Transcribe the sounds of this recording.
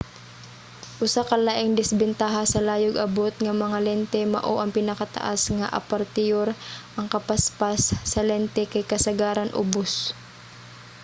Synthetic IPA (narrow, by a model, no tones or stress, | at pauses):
ʔʊsakɐlaʔɪŋd̪ɪsbɛnt̪aɦasɐlaːjʊɡɐbot̪̚ŋɐmɐŋalɛnt̪ɛmɐ̰ʔoʔɐŋpɪnɐkat̪ɐ̰ʔasŋaʔɐ̰paɾt̪ɪjoɾʔɐŋkɐpaspasːɐlɛnt̪ɛkɐjkɐsɐɡaːɾɐnʔʊ̰bos